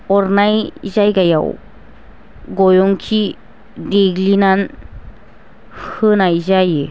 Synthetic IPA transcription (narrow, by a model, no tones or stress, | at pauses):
ɔɾnajzajɡaja̰w | ɡɔjɔŋkʰi | deɡlinan | hɯnajzaje